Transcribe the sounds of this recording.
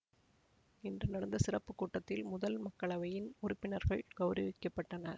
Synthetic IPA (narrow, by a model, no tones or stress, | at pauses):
ɪndrɯnɐɽɐnd̪ɐsɪrɐpːɯkːuːʈːɐt̪ːɪlmʊðɐlmɐkːɐɭɐʋɐjɪnʊɾʊpːɪnɐɾɣɐɭɡ̥ɐʊɾɐʋɪkːɐpːɐʈːɐnɐɾ